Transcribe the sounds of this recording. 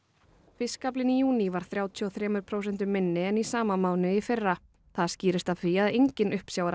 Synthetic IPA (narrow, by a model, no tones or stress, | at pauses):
fɪskaplɪnijuːnivaɾ̥θɾjaːwt̪ʰiɔθɾɛːmʏɾ̥pʰɾowsɛnt̪̬ʏmːɪnːɪɛnisaːmamaːwnʏifɪrːa | θaðsciːɾɪst̪afɾiaðejɲcɪnʔʏhpsjaːwaɾa